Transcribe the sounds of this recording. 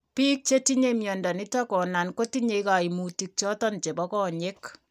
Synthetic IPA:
piː˦k̚t͡ʃe˦ti˦ɲe˦mjɔ˨nda˨nɪ˦ta˦kɔ˨na˨nko˦ti˦ɲe˨˦ika˨i˨mu˨ti˨k̚t͡ʃɔ˦tɔ˦nt͡ʃe˨bɔ˦kɔ˦ɲe˦k

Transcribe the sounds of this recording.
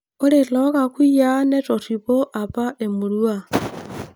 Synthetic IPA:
o˦le˨ɬo˦ka˨kwi˦jane˦tʼo˨ripo˦ʔa˨pa˦ʔe˨mu˨lua˨

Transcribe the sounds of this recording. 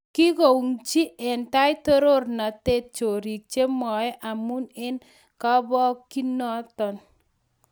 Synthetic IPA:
ki˦ko˨u˨ŋt͡ʃi˦ʔɛ˨nta˦jtɔ˦ɾo˦rna˨te˦t̚t͡ʃo˨ɾi˨k̚t͡ʃe˦mɔ˨ɛ˦ʔa˨mu˦nɪ˦n | ka˦bɔ˦kːi˦nɔ˦tɔ˨n

